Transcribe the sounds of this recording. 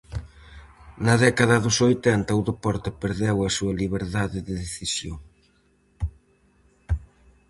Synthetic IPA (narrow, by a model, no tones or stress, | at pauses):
nɐðɛkɐðɐðʊsojt̪ɛnt̪ɐuðepɔɾt̪ɪpeɾðɛwɐsuɐliβeɾðaðɪðeðeθisjoŋ